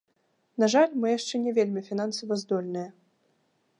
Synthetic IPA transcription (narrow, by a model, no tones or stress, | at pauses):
naʐalʲmɨjaʂt͡ʂɛnʲɛvʲelʲmʲifʲinansɐvɐzd̪ɔlʲnɨjɐ